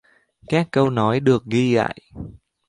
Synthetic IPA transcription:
kaː˦˥kːə˧wnɔ˨˦jɗɨ˨˩ək̚ɣi˧ɣa̰ː˧˨j

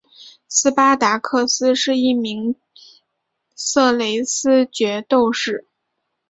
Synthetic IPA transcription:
sɹ̩˥pa˥t̪a˧˥kʰɤ˥˩sɹ̩˥ʂɻ̩˥˧i˥˩mi˧˥ŋ | sɤ˥˩le˧˥ɪsɹ̩˥t͡ɕɥɛ˧˥t̪o˥˧ʊʂɻ̩˥˩

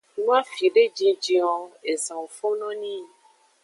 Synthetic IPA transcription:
nũ˦a˦fi˨ɖe˦d͡ʒĩ˧d͡ʒi˧ɔ̃˧e˨zã˨wo˨fo˦nɔ̃˦nĩ˦

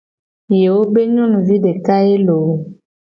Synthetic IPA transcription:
je˨wo˦be˦ɲɔ̃˦nũ˨vi˦ɖe˨ka˦e˦lo˨w

